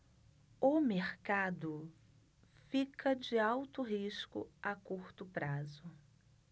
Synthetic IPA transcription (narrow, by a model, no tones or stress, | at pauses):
ʊmeɾkad̪ʊ | fikʰɐd͡ʒɪawt̪ʊɦiʃkʊ̰akuɾt̪ʊpɾazʊ